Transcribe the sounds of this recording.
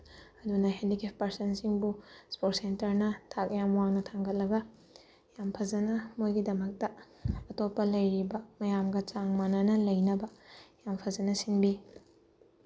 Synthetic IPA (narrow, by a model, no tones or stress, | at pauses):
ɐdunɐɦendikeppɐɾsɐnsiŋbuspot̚sentɐɾnɐtʰak̚jamuwaŋnɐtʰaŋɡɐt̚lɐɡɐ | jampʰɐzɐnɐmojɡidɐmɐk̚tɐ | ɐtopːɐlɐjɾibɐmɐjamɡɐt͡ʃaŋmanɐnɐlɐjnɐbɐjampʰɐzɐnɐsinbi